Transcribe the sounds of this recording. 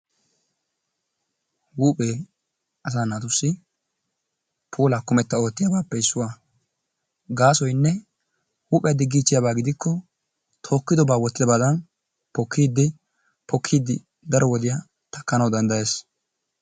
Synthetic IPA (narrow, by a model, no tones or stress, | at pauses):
wuːpʼeː | ɐs̬aːnaːt̪ʊsːɪ | pʰuːlaːkʊmɛt̪ːɐo̞ːt̪ːɪjaːbaːpːɛɪsːʊwaː | ɡaːsɔjnːɛ | wuːpʼɛjad̪ɪɡːiːt͡ʃːɪjabaːɡɪd̪ɪkʰːɔ | t̪ʰo̞ːkːɪd̪ɔbaːwɔt̪ːɪd̪ɐbad̪ɐn | pɔkʰːiːd̪ːɪ | pɔkʰːiːd̪ːɪ | d̪ɐɾɔwɔd̪ɪjaː | t̪ɐkːɐnɐwd̪ɐnd̪ɐje̞ːs